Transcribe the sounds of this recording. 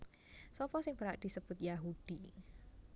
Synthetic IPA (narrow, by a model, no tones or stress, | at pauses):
sɔpɔsɪŋbəɾaʔd̪̥i̤səb̥ʊt̪̚jaɦud̥i